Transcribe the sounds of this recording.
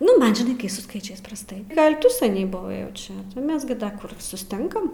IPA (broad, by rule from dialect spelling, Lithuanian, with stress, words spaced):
ˈnʊ ˈmɐn ʒʲɪˈnɐɪ kɐɪ sʊ ˈskɐɪt͡ʃʲɛɪs prɐsˈtɐɪ ˈɡɐlʲ ˈtʊ sɐˈnʲɛɪ bʊˈʋɐɪ jɛʊ ˈt͡ʃʲɛ ˈmʲɛs ɡʲɪ ˈdɐ ˈkʊr sʊsʲˈtʲɪŋkɐm